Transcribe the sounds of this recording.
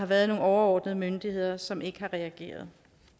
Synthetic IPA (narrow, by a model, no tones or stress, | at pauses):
ɑ̈ʋæːɐð̩ˠno̝ːnɒʊɐɒ̰ːd̥nəð̞̩ˠəmønd̥ihe̝ð̰ˠɐsɒ̽me̝ɡ̥əhɑ̈ʁɛæɡ̥e̝̰ːɐð̞ˠ